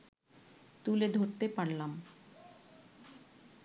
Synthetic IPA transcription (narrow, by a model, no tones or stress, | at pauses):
t̪uled̪ʱoɾt̪epaɽlam